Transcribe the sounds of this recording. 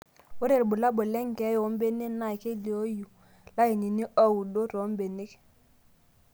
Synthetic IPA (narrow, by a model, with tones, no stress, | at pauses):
ʊ˦ɾe˨ɾbʊ˨la˦bʊ˨lɛ˦ŋ˨kɛ˨˦jɔ˨˦mbe˦nɪ˦na˦˨jke˦li˨o˦ju˨ | la˦ɪ˨ni˨ni˦ʔa˦u˨do˦ɾo˨˦m˦be˨nɪ˦k